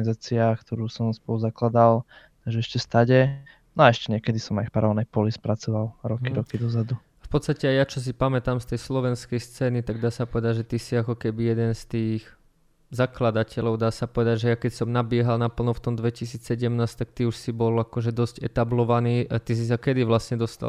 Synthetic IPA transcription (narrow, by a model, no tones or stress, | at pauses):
ɡnizaːt͡siakt̪ʰɔɾuːsɔmspɔluzaklad̪al | t̪aɡʒɛɛʃcɛst̪aɟɛ | nɔaɛʃcɛɲɛkɛd̪isɔmajfpaɾalnɛjpɔlispɾat͡sɔʋalɾɔkiɾɔkid̪ɔzad̪u | afpɔt̪st̪acɛajat͡ʃɔs̬ipamɛt̪aːmst̪ɛjslɔʋɛnskɛjst͡sɛːnit̪aɡd̪aːsapɔʋɛd̪aɟʒɛt̪isiakɔkɛbijɛd̪ɛnst̪iːx | zaklad̪acɛlɔʊd̪aːsapɔʋɛd̪aɟʒɛjakɛcsɔmnabɪɛɦalnapl̩ˠnɔft̪ɔmd̪ʋɛcis̬iːt͡ssɛɟɛmnaːst̪ak̚t̪iuʃsibɔlakɔʒɛd̪ɔsɟɛt̪ablɔʋaniːt̪is̬is̬akɛd̪iʋlasɲɛd̪ɔst̪a̰l